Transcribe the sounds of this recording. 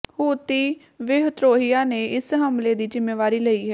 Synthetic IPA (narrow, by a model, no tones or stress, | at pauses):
huːt̪iː | ʋeɦt̪ɾoːɦɪjaːneːʔɪsɦəmleːd̪iːd͡ʒɪmːeːʋaːɾiːləiːɦɛː